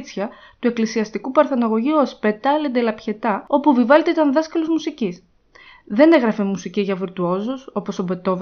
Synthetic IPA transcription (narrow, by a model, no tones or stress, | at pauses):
t͡sçɐ | t̪ue̞klisiɐst̪ikupɐɾθɐnɐɣo̞ʝiuospe̞t̪ɐled̪elɐpçe̞t̪ɐo̞puvivɐlet̪eit̪ɐnðɐskɐlozmusicis | ðe̞ne̞ɣɾɐfe̞musiciʝɐviɾt̪uo̞zoso̞po̞so̞be̞t̪o̞v